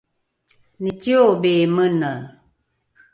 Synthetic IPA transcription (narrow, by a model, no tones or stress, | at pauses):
nitiobemənə